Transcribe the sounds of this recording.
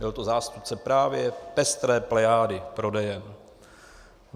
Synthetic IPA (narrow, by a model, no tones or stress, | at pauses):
bɪlt̪ozaːst̪up̚t͡sɛpɾaːvjɛpɛst̪ɾɛːplɛjaːdɪpɾo̞dɛjɛm